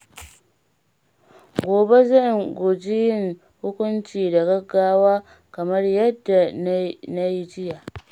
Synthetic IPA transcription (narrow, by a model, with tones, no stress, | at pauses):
ɡʷoː˨be˦zɐ˦˨jŋɡʷʊ˨d͡ʒi˦jɪ˦˨ŋ | hʊ˦kʷʊ˦nt͡ʃiː˨da˨ɡɐ˦ɡːaː˦waː˦ | kɐ˨mɐ˦rjɐ˦dːa˨na˦ji˦d͡ʒɪ˦ja˨ʔ